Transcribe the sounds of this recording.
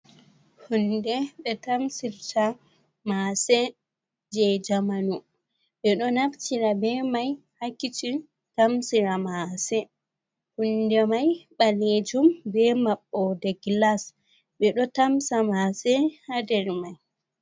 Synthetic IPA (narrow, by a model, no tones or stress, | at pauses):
hundɛɓɛtamsiɾta | masɛ | d͡ʒɛd͡ʒamanu | ɓɛɗɔnaftiɾabɛmaj | hakːit͡ʃi | tamsiɾamasɛ | hundɛmajɓaled͡ʒumbɛmaɓːɔdɛɡlas | ɓɛɗɔtamsamasɛhadɛɾmaj